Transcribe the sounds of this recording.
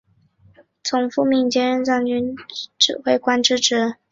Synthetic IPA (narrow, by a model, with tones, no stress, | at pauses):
t͡sʰʊ˧˥ŋfu˥˧mi˥˩nt͡ɕjɛ˥ɻə˥˧nt͡sɑ˥˩ŋt͡ɕy˥nʈ͡ʂɻ̩˥˩xwe˥˩ɪkwa˥nʈ͡ʂɻ̩˥˩ʈ͡ʂɻ̩˧˩˥